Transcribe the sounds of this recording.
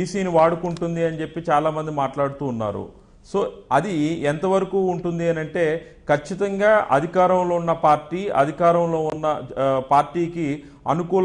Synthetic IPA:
iːsiːniʋaːɽukuɳʈund̪iɐnit͡ʃe̞pːit͡ʃaːlaːmɐnd̪imaːʈlaːɽut̪uːnːa̰ːɾṵ | so̞ːɐd̪iɛnt̪ɐʋɐɾɐkuːɳʈund̪ieːnɐɳʈe̞ː | kɐt͡ʃːit̪ɐŋɡaːʔɐ̰d̪ʱikaːɾɐmlo̞ːunːɐpaːɾʈiːɐ̰d̪ʱikaːɾɐmlo̞ːunːɐpaːɾʈiːki | ɐ̰nukuːl

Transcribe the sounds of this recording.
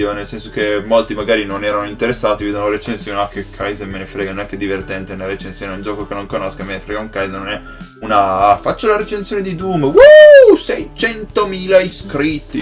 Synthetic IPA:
onelsɛnsok̟emːolt̪imaɡaːɾinonɛːɾanoint̪eɾesːaːt̪iveːd̪onoɾet͡ʃensjoːneakːekʰːajzemenefɾeːɡanonɛkːed̪ivert̪ɛnt̪enelɾet͡ʃensjoːneuld͡ʒɔːkokenoŋkonoskamenefɾeːɡauŋkajzenonɛ | unafat͡ʃːolaɾet͡ʃensjoned̪id̪umwosɛjt͡ʃɛnt̪omiːlaiskɾit̪ːi

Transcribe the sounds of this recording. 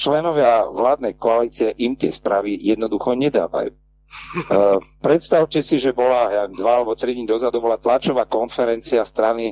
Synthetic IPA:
t͡ʃlɛnɔʋɪaʋlaːd̪nɛjkɔaliːt͡siɛʔimt̪ɪɛspɾaːʋijɛd̪nɔd̪uxɔɲɛd̪a̰ːʋa̰jṵ | pɾɛt̪st̪aʊcɛsiʒɛbɔlajad̪ʋaalɛbɔt̪ɾiɟɲd̪ɔzad̪ubɔlat̪lat͡ʃɔʋaːkɔnfɛɾɛnt͡siast̪ɾani

